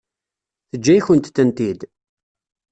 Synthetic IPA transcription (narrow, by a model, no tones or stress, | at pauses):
θəd͡ʒːæjçənt̪θənt̪id̪